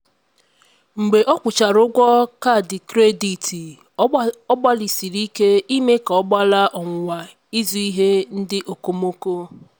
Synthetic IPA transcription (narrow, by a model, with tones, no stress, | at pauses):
ŋ͡m̩˨ɡ͡be˨ʔɔ˦kʷʊ˨t͡ʃa˨ɾʊ˦ɡʷɔ˦ka˦˨dɪ˨kɾe˦di˨ti˨ | ɔ˦ɡ͡ba˦li˨si˨ɾi˦ke˦i˦me˦ka˨ɔ˦ɡ͡ba˦la˦ʔɔ˨ŋʷ˨wa˨ | i˦zu˨i˦ɦe˦n̩˦dɪ˦ʔo˨ko˦mo˦ko˦